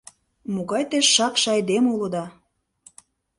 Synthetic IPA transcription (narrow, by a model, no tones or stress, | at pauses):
moɣɑjt̪eʃːɑkʃɑjd̪emulŏd̪ɑ